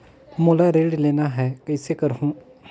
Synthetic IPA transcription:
moːlaɾeːɖleːnaɦɛːkɐɪsekəɾɦũ

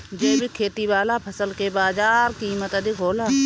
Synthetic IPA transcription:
d͡ʒeːbʱikʰeːt̪iʋaːlapʰəsəlkebaːzaːɾkiːmət̪əd̪ɪkɦoːlaː

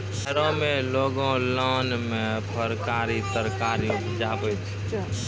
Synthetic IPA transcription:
ɡʱəɾõmẽloːɡõlɔnmẽpʰəɾkaɾit̪əɾkaɾibd͡ʒabət͡ʃʰ

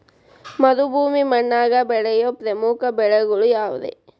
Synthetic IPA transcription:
mɐd̪ubʱuːmimɐɳːaːɡɐbɛɭɐjopɾemuːkɐbɛɭɐɡɐɭujaːʋṵd̪ḛ

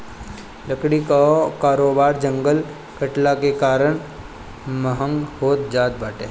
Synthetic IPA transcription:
ləkɽikakaːɾoːbaːɾd͡ʒə̃ŋɡəl | kəʈlakekaːɾəɳ̃ | məɦə̃ŋɡhoːt̪̚d͡ʒaːt̪̚baːʈeː

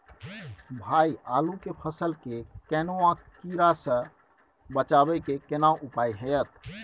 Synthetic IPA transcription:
bʱaialukepʰəsəlkekɛnoãkiɾasə̃ | bət͡ʃabɛkekenauʔupajɦɛjət̪̚ʰ

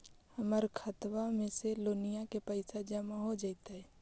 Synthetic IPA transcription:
həməɾkʰət̪ʋamẽseloːnijakepəɪsad͡ʒəmaɦod͡ʒaɪt̪aɦɛː

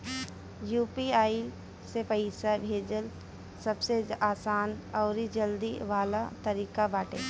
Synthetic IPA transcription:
juːpiaːi | sepəɪsabʱeːd͡ʒəl | sɐbseaːsaːnɔːɾid͡ʒəld̪iʋaːlat̪ɐɾiːkabaːʈḛː

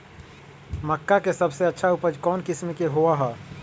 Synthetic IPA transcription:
məkːakesɐbseɐtːʃʰaʊpəd͡ʒkɔːnkɪsmekeɦoaɦɛː

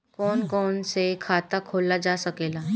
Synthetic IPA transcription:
kɔːnkɔːnsekʰaːt̪akʰoːlad͡ʒasəkeːla

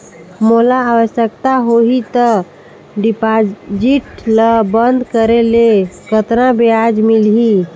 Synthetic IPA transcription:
molaːʋəsjəkt̪aɦoɦit̪ə | ɖipad͡ʒiʈləbənd̪ʱkəɾelekət̪ɾãbead͡ʒmilɦi

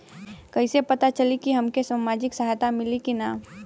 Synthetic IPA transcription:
kɐisepɐt̪at͡ʃɐlikiɦɐmkesamaːd͡ʒɪksɐɦajt̪amɪlikinaː

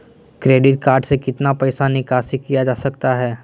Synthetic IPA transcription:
kɾeːɖɪʈkaːɾɖsekɪt̪napɛɪsanɪkaːsikːijad͡ʒaːsɐkt̪aɦɛː

